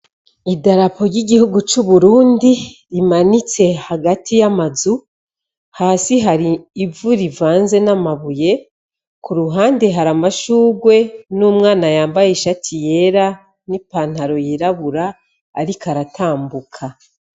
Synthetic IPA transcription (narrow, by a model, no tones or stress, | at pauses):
idaɾapʰo̞ɾjiɡihuɡut͡ʃuβuɾuːndiɾimanit͡se̞haɡatʰijamazu | haːsiɦaɾiːvuɾivaːnze̞namaβuje̞ | kʰuɾuɦaːnde̞ɦaɾamaʃuːɡwe̞numŋaːnajaːmbajeʃatʰije̞ɾa | nipaːn̥haɾo̞jiɾaβuɾaː | ɾikaɾatʰaːmbukʰa